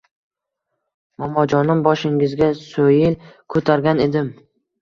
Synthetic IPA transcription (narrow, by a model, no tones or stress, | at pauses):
mɒmɒd͡ʒɒnɪmbɒʃɪŋɪzɡʲasojɪlkʰɵt̪ʰaɾɡʲane̞d̪ɪm